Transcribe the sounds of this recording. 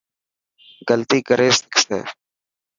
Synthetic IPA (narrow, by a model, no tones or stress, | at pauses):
ɡəlt̪iːkəɾʔeːsəkʰsḛː